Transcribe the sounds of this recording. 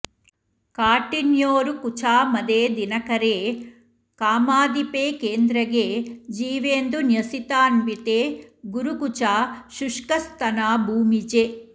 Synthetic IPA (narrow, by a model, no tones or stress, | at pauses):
kaːʈinjoːɾukut͡ʃʰaːmɐd̪eːd̪inɐkɐɾeː | kaːmaːd̪ipeːkeːnd̪ɾɐɡeːd͡ʒiːʋeːnd̪unjɐsit̪aːnbit̪eːɡuɾukut͡ʃaːʃuʂkɐst̪ɐnaːbʱuːmid͡ʒe